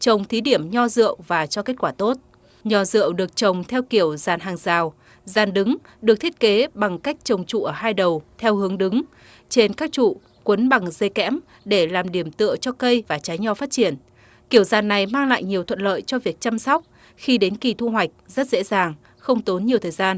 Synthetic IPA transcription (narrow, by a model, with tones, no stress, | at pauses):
t͡ɕə˨˩wŋ͡mt̪ʰi˨˦ɗi˧˩əmɲɔ˧zɨ̰˧˨əwvaː˨˩t͡ɕɔ˧ke˦˥t̚kwaː˧˩t̪o˦˥t̚ | ɲɔ˨˧˩zɨ̰˧˨əwɗɨ˨˩ək̚t͡ɕə˨˩wŋ͡mt̪ʰɛ˧wki˧˩əwzaː˨˩nɦaː˨˩ŋzaː˨˩w | zaː˨˩nɗɨ˨˦ŋ | ɗɨ˨˩k̚t̪ʰə˥t̚ke˨˦ɓa˨˩ŋka˦˥jk̟̚t͡ɕə˨˩wŋ͡mt͡ɕṵ˧˨ʔəː˧˩ɦaː˧jɗə˨˩wt̪ʰɛ˧whɨ˨˦əŋɗɨ˨˦ŋ | t͡ɕe˧nkaː˦˥k̚t͡ɕṵ˧˨ | kwə˨˦nɓa˨˩ŋze˧˩kɛ̰˧˥m | ɗe˧˩laː˨˩mɗi˧˩əmt̪ɨ̰˧˨ət͡ɕɔ˧kə˧jvaː˨˩t͡ɕaː˨˦jɲɔ˧faː˦˥t̚t͡ɕi˧˩ən | ki˧˩əwzaː˨˩nːa˨˩jmaː˧ŋla̰ː˧˨jɲi˨˩əwt̪ʰwə̰˧˨n̚lə̰ː˧˨jt͡ɕɔ˧vi˨˩ək̚t͡ɕa˧msɔ˦˥wk͡p̚ | xi˧ɗe˨˦nki˨˩t̪ʰu˧ɦwa˨˩jk̟̚zə˦˥t̚zḛ˧˥zaː˨˩ŋ | xə˧wŋ͡mt̪o˨˦nɲi˨˩əwt̪ʰəː˨˩jzaː˧n